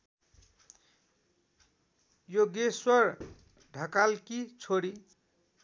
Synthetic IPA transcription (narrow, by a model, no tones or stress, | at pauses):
joɡeswʌr | ɖʱʌkalkit͡sʰoɽi